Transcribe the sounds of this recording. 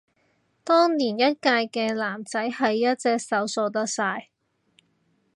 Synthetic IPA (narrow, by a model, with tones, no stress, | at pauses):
t̪ɔː˥ŋniː˨˩njɐ˥t̚kaː˧jkɛː˧laː˨˩mt͡sɐ˨˥jhɐ˨jːɐ˥t̚t͡sɛː˧k̚sɐ˨˥wsɔː˧t̪ɐ˥k̚saː˧j